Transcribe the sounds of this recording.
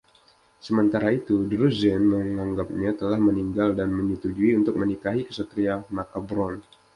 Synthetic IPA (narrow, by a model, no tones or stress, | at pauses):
səmənt̪aɾait̪udəɾuzɛnməŋaŋɡap̚ɲat̪əlahməniŋɡaldanməɲət̪ud͡ʒuiunt̪ʊk̚mənikaɦikə̥sət̪ɾiamakabɾɔn